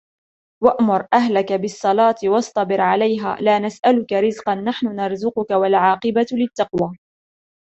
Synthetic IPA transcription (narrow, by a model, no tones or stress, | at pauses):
waʔmʊɾˤʔaɦlakabɪsˤːɑlɑːt̪wɑsˤt̪ˤɑbɪɾʕalajɦa̰ːlaːnasʔalʊkaɾɪzqɑnːaħnʊnɑɾˤzʊqʊkawalʕɑːqɨbalɪt̪ːɑqwaː